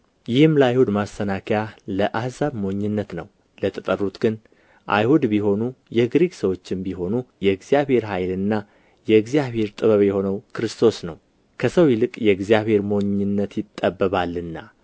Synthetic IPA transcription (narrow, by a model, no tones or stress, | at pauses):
jɪhɨmləajhud̪mast̪ʰənakʰjaləʔahzaβmo̞ɲːɪnːət̪nəw | lət̪ʰət̪ʼərːut̪ɡɨn | ʔa̰jhud̪biho̞nujɛɡɾiɡsəwo̞t͡ʃːɪmbiɦo̞nujɛɨɡzijaβhe̞ɾɦajlɨnːa | jɛɨɡzijaβhe̞ɾt̪ʼɨβəβjɛho̞nəwkʰɨɾɨst̪ʰo̞snəw | kʰəsəwjɪlɨkʼjɛɨɡzijaβhe̞ɾmo̞ɲːɪnːət̪jɪt̪ʼːəbːəβalːɨnːa